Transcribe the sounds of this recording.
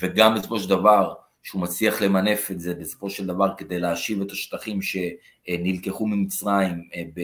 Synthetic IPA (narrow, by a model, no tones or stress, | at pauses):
veɡambesofo̞ʃeldavaʁ | ʃeumat͡sliaχle̞mane̞fe̞tze̞besofo̞ʃeld̪avaʁke̞d̪e̞jleaʃive̞t̪aʃt̪aχimʃe̞ | nilke̞χumimit͡sʁaimbe